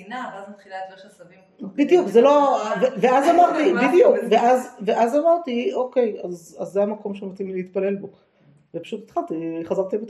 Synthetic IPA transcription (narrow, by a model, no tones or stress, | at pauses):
navazmat̪χilat̪eʃsɐvi | bid̪ijukzelo̞veveazamaʁt̪ibid̪ijukveʔazveʔazamaʁt̪ioke̞jazazːejamako̞mʃemat̪imileit̪̚pale̞lbo | vepḁʃut̪it̪χat̪iχazaʁt̪ibet